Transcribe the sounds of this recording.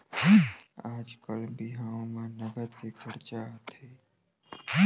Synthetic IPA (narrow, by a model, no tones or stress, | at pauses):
aːd͡ʒkəlbiɦaːõmẽnəɡəd̪kekʰəɾt͡ʃat̪ʰeː